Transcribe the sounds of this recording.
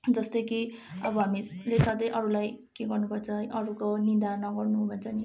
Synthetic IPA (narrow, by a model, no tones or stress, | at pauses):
d͡zʌst̪ʌjkiʌbʌɦamilesad̪ʌjʔʌɾulajkeɡʌrnupʌrt͡sʰʌʔʌɾukonind̪anʌɡʌrnuɦbʱʌnt͡sʰʌni